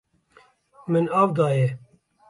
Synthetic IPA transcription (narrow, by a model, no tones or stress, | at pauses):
mɨnaːvd̪ɑːje